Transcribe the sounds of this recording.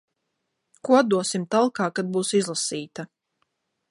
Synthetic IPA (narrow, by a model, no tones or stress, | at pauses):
kuɔad̪̚d̪uɔsimt̪alˠkaːkad̪̚buːsizlˠasiːt̪a